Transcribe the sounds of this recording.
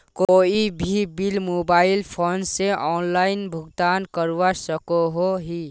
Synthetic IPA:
koːibʱibilmoːbaːɪlpʰoːnseʔɔːnlaːɪnbʱʊɡt̪aːnkəɾwasəkoɦoɦi

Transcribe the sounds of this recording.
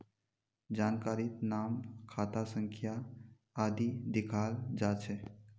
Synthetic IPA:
d͡ʑankaɾiːt̪naːmkʰat̪asəŋkʰjaː | d̪id̪ikʰald͡ʒat͡ʃʰe

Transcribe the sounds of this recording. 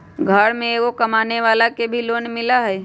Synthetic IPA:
ɡʱəɽmẽkokɐmaːneʋaːlakebʱiloːnmɪlaɦɛː

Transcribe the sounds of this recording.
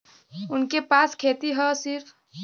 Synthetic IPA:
ʊnkepaskʰet̪iɦəsiɾpʰ

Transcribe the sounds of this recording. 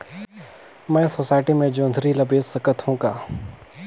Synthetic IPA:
mɛ̃ːsoːsaːɪʈimẽd͡ʒõːnd̪ʱɾilɐbeːsːɐkət̪hũːkaː

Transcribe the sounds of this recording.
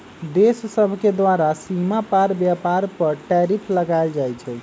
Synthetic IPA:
d̪essəbʱked̪waɾasimapaɾbjapaɾpəɾʈɛɾipʰləɡald͡ʒajt͡ʃʰɛ

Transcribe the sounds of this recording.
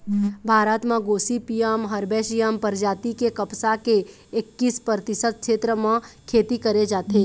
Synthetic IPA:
bʱaːɾət̪mãɡoːsipijaːmɦɐɾbeːʃijaːmpəɾd͡ʒaːt̪ikekɐpsake | ɪkːiːspəɾt̪ɪsət̪̚kʰʃeːt̪ɾəmãkʰeːt̪ikəɾed͡ʒaːt̪eː

